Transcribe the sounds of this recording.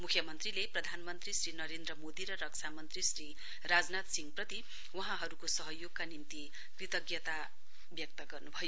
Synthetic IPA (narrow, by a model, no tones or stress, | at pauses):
mukʰjʌmʌnt̪rileprʌd̪ʱanmʌnt̪risrinʌɾend̪rʌmod̪iɾʌɾʌksʰamʌnt̪risri | rad͡znat̪siŋɡprʌt̪i | wʌɦãɦʌɾukosʌɦʌjoɡ̚kanint̪i | krit̪ʌɡjʌt̪a | bjʌk̚t̪ʌɡʌrnubʱʌjo